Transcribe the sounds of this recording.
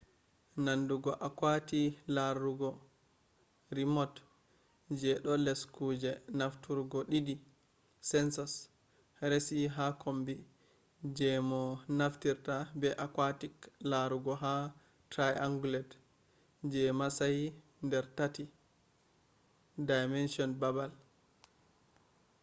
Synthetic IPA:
nanduɡɔʔakwatilaɾuɡɔ | ɾimɔt | d͡ʒɛɗɔlɛskud͡ʒɛnaftuɾɡɔɗidi | sɛnsɔs | ɾesiɦakʰombi | d͡ʒɛmɔnaftiɾtabɛʔakwatiklaɾuɡɔɦa | tajʔaŋɡulɛd | d͡ʒɛmasaj | ndɛɾtati | dajmɛnsiɔnbabal

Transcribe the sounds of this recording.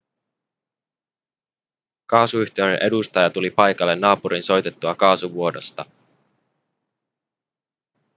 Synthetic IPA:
kɑːsuyçt̪ieɥnenʔe̞dust̪ɑjɑt̪ulipɑjkɑlːe̞nːɑːpuɾinso̞jt̪e̞t̪ːuɑkɑːsuʋuo̞do̞st̪ɑ

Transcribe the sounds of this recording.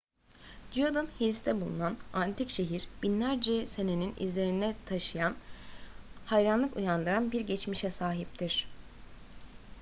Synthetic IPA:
d͡ʒyjod̪ɯnhelʲist̪ʰɛbulˠṵnanant̪ʰicʃe̞ɦiɾ̥binlʲæɾd͡ʒɛse̞ne̞ninḭzlʲe̞ɾinɛt̪ʰaʃɯjan | hajɾanlˠɯkujand̪ɯɾanbiɾɟɛt͡ʃmiʃɛsaːɦip̚t̪ʰiɾ̥

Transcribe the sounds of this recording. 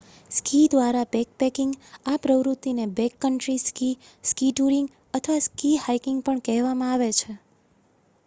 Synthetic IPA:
skid̪ʋaɾabɛk̚pɛkɪ̃ŋɡapɾəʋɾut̪ːinebɛkːəɳʈɾiski | skiʈuɾiŋɡ | ət̪ʰəʋaskihajkɪŋɡ̚pəɳkɛɦʋamãaʋet͡ʃʰe

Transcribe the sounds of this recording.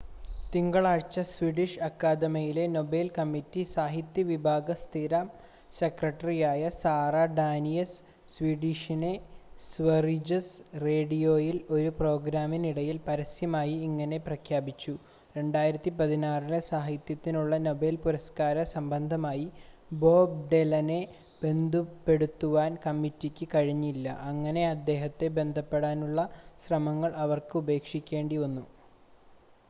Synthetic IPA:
t̪iŋɡɐɭaːɻt͡ɕːɐsʋiɖiʂɐkːaːd̪ɐmɐjile̞no̞be̞ːlkɐmːitːisaːɦit̪jɐʋibʱaːɡɐst̪ʰiɾɐ | sekrɐʈːɐrijaːjɐsaːraɖaːnijɐs | sʋiːɖiʂinesʋɐrid͡ʑɐsre̞ːɽijo̞ːjilo̞ɾupro̞ːɡɾaːminiɽɐjilpɐɾɐsjɐmaːjiːŋːɐne̞prɐkʰjaːbit͡ɕːu | ɾe̞ɳɖaːjiɾɐt̪ːipɐðinaːrilɨsaːɦit̪jɐt̪ːinuɭːɐno̞be̞ːlpuɾɐskaːɾɐsɐmbɐnd̪ʱɐmaːjibo̞ːb̚ɖelɐne̞ | b̥e̞nd̪ʱupːe̞ɽut̪ːuʋaːnkɐmːitːikʲːɨkɐɻiɲːuilːɐ̰ʔɐŋːɐne̞ɐd̪ːe̞ːɦɐt̪ːe̞be̞nd̪ʱɐpːe̞ɽaːnuɭːɐɕrɐmɐŋːɐɭɐʋɐrkɨube̞ːkʂikʲːe̞ːɳɖionːu

